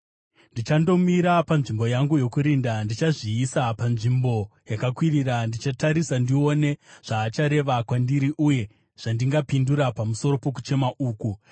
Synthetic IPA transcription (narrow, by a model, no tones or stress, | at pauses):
ndit͡ʃando̞miɾapanʐimbo̞jaŋɡujo̞kuɾindandit͡ʃaʐiːsapanʐimbo̞jakakwiriɾandit͡ʃataɾisandio̞ne̞ʐ̥aːt͡ʃaɾe̞ʋakwandiɾiʔuje̞ | ʐ̥andiŋɡapinduɾapamuso̞ɾo̞po̞k̬u̥t͡ʃe̞maʔuːku